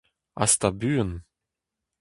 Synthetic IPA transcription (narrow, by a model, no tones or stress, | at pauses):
a̰st̪abyːən